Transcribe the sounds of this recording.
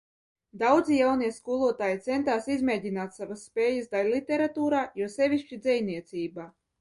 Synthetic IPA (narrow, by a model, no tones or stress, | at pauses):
d̪awd̪zijawniɛskulˠuɔt̪aːjit̪sɛnt̪aːsizmʲeːd̪ʲinaːt̪savasːpʲeːjəsd̪alʲlˠit̪ʲeɾat̪uːɾaːjuɔsɛvʲiʃt͡ʃid̪zɛjniɛt̪siːbaː